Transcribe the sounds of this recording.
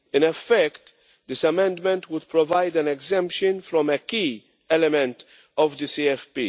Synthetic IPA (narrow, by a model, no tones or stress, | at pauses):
ɪ̃nɛfɛkt̪ | d̪ɪsɐmɛ̃nd̪mɛ̃nt̪wʊd̪̚pɾɔvajd̪æ̃nɛɡzɛ̃mpʃɨ̃nfɾɔ̃mɛkiː | ɛlɛmɛ̃nt̪ | ɔvd̪isiɛfpḭ